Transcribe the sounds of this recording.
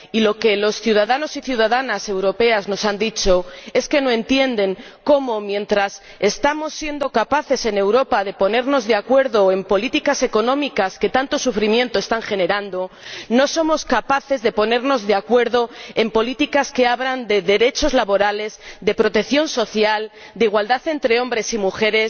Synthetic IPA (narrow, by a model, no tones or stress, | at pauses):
ilo̞ke̞lo̞sθjuð̞aðano̞siθjuð̞aðanase̞wɾo̞pe̞azno̞sand̪it͡ʃo̞e̞ske̞no̞e̞nt̪je̞nd̪e̞ŋ | ko̞mo̞mjẽ̞nt̪ɾas | e̞st̪amo̞sːje̞nd̪o̞kapaθe̞se̞ne̞wɾopaðepo̞ne̞ɾno̞zðeakwe̞ɾðo̞e̞mpo̞lit̪ikase̞ko̞nõ̞mikaske̞t̪ant̪o̞sufɾimje̞nt̪oe̞st̪aŋxe̞ne̞ɾand̪o̞noso̞mo̞skapaθe̞zðe̞po̞ne̞ɾno̞zðe̞akwe̞ɾðo̞empo̞lit̪ikaske̞aβɾand̪e̞ðe̞ɾe̞t͡ʃo̞zlaβo̞ɾale̞zd̪e̞pɾo̞t̪e̞kθjo̞nso̞θjal | d̪eiɣwald̪aθe̞nt̪ɾeo̞mbɾe̞simuxe̞ɾe̞s